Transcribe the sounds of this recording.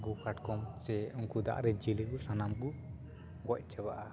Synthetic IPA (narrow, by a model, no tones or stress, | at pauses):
ɡukʰaʈkɔmsɛunkud̪a̰ʔɾɛd͡ʒiliɡusanamɡu | ɡɔc̚ˀt͡ʃɛbaʔa